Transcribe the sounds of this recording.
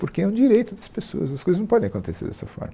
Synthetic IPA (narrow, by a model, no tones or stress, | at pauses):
poɾkeɛũd͡ʒiɾejt̪ʊd̪ɐspeso̰ɐsɐskojzñpɔd̪ẽakõnt̪esḛɾd̪ɛ̰sɐ̰fɔ̰ɾmɐ